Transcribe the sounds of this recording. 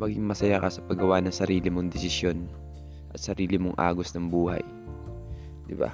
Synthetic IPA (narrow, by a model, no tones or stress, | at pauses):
mɐɡɪŋmɐsɐjakɐsɐpɐɡɐwanɐŋsɐɾiːlɪmoŋd̪ɛsɪsjon | ʔɐt̪sɐɾiːlɪmoŋʔa̰ːɡosnɐŋbuːhɐ̰j | d̪ɪba̰